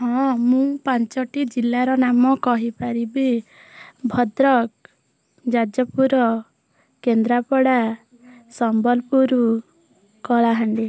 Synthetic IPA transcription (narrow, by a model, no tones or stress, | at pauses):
hɔ̃mũpant͡ʃɔʈid͡ʒilːaɾɔnamɔkɔɦipaɾibi | bʱɔd̪ɾɔk | d͡ʒad͡ʒɔpuɾɔ | kend̪ɾapɔɽa | sɔmbɔlpuɾu | kɔɭaɦaɳɖi